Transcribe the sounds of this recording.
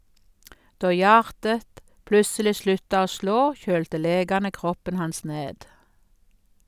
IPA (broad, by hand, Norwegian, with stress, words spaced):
ˈdoː ˈjɑːʁtət ˈplʉsəlɪ ˈslʉtɑ ˈoː ˈsloː ˈçøːltə ˈleːɡɑnə ˈkʁɔpən ˈhɑns ˈneːd